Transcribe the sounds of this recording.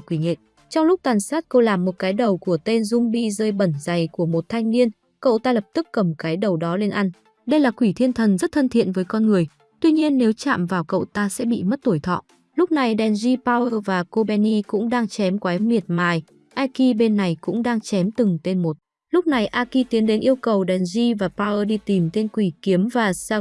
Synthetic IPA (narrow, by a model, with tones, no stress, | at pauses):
kwi˧˩ŋḛ˧˨ | t͡ɕɔ˧wŋ͡mlʊ˦˥k͡p̚t̪aː˨˩nsaː˦˥t̚kə˧wlaː˨˩mːo˨˩t̚kaː˨˦jɗə˨˩wku˧˩ət̪e˧nzʊ˧ŋ͡mɓḭ˧˨zəː˧jɓə˧˩nza˨˩jku˧˩əmo˨˩t̚t̪ʰa˧jŋ̟ni˧ən | kə̰˧˨wt̪aː˧lə˨˩p̚t̪ɨ˦˥kːə˧˩mkaː˨˦jɗə˨˩wɗɔ˨˦le˧nʔa˧jŋ̟ | ɗə˧jlaː˨˩kwi˧˩t̪ʰi˧ənt̪ʰə˨˩nzə˦˥t̚t̪ʰə˧nt̪ʰḭ˧˨ənvəː˨˦jkɔ˧nŋɨ˨˩əj | t̪wi˧ɲi˧ənːe˨˦wt͡ɕa̰ː˧˨mvaː˨˩wkə̰˧˨wt̪aː˧sɛ̰˧˥ɓḭ˧˨mə˦˥t̚t̪o˧˩jt̪ʰɔ̰˧˨ | lʊ˦˥k͡p̚na˨˩jɗɛ˨˩nzi˧paː˧wəː˧vaː˨˩ko˧ɓɛ˧ni˧kʊ̰˧˥ŋ͡mɗaː˧ŋt͡ɕɛ˨˦mkwaː˨˦jmi˨˩ət̚maː˨˩j | ʔaː˧ki˧ɓe˧nːa˨˩jkʊ̰˧˥ŋ͡mɗaː˧ŋt͡ɕɛ˨˦mt̪ɨ˨˩ŋt̪e˧nmo˨˩t̚ | lʊ˦˥k͡p̚na˨˩jʔaː˧ki˧t̪i˨˦ənɗe˨˦nʔi˧əwkə˨˩wɗɛ˨˩nzi˧vaː˨˩paː˧wʔəː˧ɗi˧t̪i˨˩mt̪e˧nkwi˧˩ki˨˦əmvaː˨˩saː˧